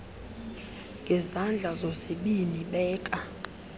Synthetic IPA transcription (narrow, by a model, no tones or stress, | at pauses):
ŋɡʱɛzand͡ɮʱazɔseɓiniɓɛːkʼa